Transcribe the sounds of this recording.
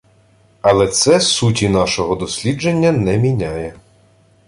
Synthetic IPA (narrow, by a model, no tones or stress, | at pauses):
ɐlˠɛt̪sɛsutʲinɑʃɔɦɔd̪ɔsʲlʲid͡ʒenʲːɐnɛmʲinʲajɛ